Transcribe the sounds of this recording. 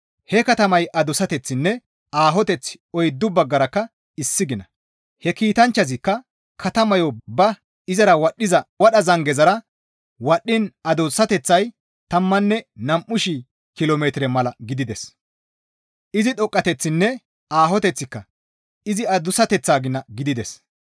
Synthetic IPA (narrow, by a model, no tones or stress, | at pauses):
hɛkɐt̪ɐmɐjʔɐd̪ʊsɐt̪ɛt͡sːɪnːɛ | aːɦɔt̪ɛt͡sːɪ̥ | ɔjd̪ːʊbɐɡːɐɾɐkːɐ | ɪsːɪɡɪnɐ | hɛkiːt̪ɐnt͡ʃːɐzɪkːɐ | kɐt̪ɐmɐjɔbɐ | ɪzɐɾɐwɐɗːɪzɐwɐɗɐzɐŋɡɛzɐɾɐ | wɐɗːɪnɐd̪osːɐt̪ɛt͡sːɐj | t̪ɐmːɐnːɛnɐmʔʊʃi | kɪloːmeːt̪ɪɾɛmɐlɐɡɪd̪ɪd̪ɛs | ʔɪzɪᶑ̪ɔkʼːɐt̪ɛt͡sːɪnːɛ | aːɦɔt̪ɛt͡sːɪkːɐ | ɪzɪɐd̪ʊsɐt̪ɛt͡sːaːɡɪnːɐɡɪd̪ɪd̪ɛs